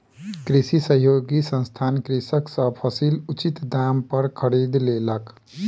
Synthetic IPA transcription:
kɾisisəɦjoɡisə̃nst̪ʰankɾisəksə̃pʰəsilut͡ʃit̪d̪ampəɾkʰəɾid̪lelək

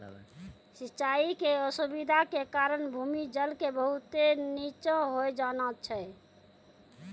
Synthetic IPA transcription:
sitːt͡ʃaikeəsubid̪ʱakekaɾənbʱumid͡ʒəlkebəɦut̪enit͡ʃə̃ɦojd͡ʒanat̪t͡ʃʰɛ

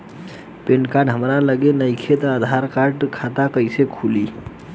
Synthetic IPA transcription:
penkaɖɦəmɾaləɡenəjkʰet̪əad̪ʱaɾkaɾʈkʰat̪akəɪsekʰuli

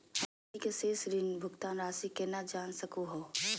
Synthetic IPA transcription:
ikeseːsɾɪnbʱʊɡt̪aːnɾaːsikenad͡ʒaːnsəkoɦoː

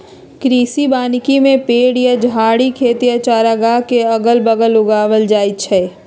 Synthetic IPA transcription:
kɾiːsibaːnkimẽpeːɽjad͡ʒaːɽikʰeːt̪ijat͡ʃaːɾaɡakeɐɡəlbəɡəlʊɡaːʋəld͡ʒaːɪt͡ʃʰɛː

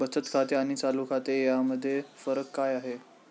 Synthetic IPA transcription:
bət͡sət̪kʰat̪eaɽ̃it͡salukʰat̪ejaməd̪ʱːjefəɾəkːajaɦe

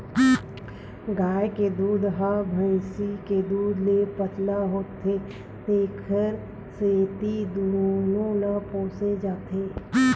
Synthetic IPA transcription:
ɡaːjked̪uːd̪ɦabʱəsiked̪uːd̪lepət̪laɦoːt̪ːe | t̪eːkʰəɾ | set̪id̪ʊnulõlapõːsed͡ʒaːt̪eː

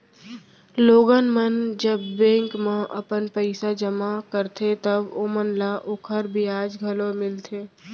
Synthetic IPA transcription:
loːɡənmənd͡ʒəbːẽːŋkmẽʔə̰pənpəɪsad͡ʒəmakəɾt̪ʰet̪əbomənlaʔoːkʰəɾbʱiaːd͡ʒɡʱəlomɪlt̪ʰeː

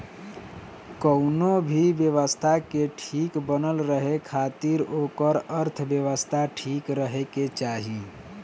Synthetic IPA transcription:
kəʊnobʱibjeʋəst̪ʰakeʈʰikbənəlɾəɦekʰat̪iɾokəɾəɾt̪ʰbjəʋəst̪ʰaʈʰikɾəɦeket͡ʃaɦi

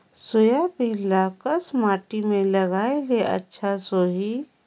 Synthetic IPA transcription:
sojapĩlakəsmaːʈimẽləɡaːeleʔɐ̰tːʃʰasoːɦi

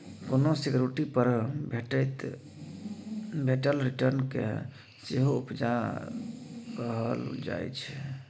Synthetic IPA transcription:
konosekjoɾiʈipəɾbʱeʈət̪ | bʱeʈəlɾiʈəɾnkḛ | seɦoupd͡ʒa | kəɦəld͡ʒa̰jt͡ʃʰɛ

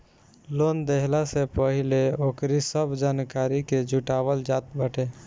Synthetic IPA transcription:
lond̪eɦlasepəɦileokɾisəbʱd͡ʒankaɾiked͡ʒuʈabəld͡ʒat̪̚bəʈe

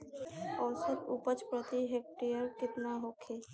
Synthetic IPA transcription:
ɔːlsɪt̪upət͡ʃpɾət̪iɦek̚ʈijəɾkɪt̪naɦoːkʰeː

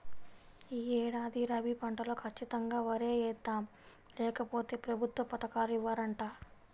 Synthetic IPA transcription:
iːɛːɽaːd̪iɾɐbipɐɳʈɐlo̞ːkʰɐt͡ʃːit̪ɐŋɡaːʋɐɾeːɛːt̪ːaːm | lɛːkɐpo̞ːt̪e̞ːpɾɐbʱut̪ʋɐpɐt̪ɐkaːɾiʋːaːɾɐɳʈaː

